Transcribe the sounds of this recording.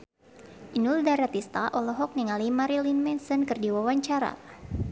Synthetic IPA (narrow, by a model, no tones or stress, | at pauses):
ʔinuldaɾat̪ist̪aʔɔlɔɦɔk̚niŋalimaɾilinmɛnsɔnkɨrdiwawaɲt͡ʃaɾa̰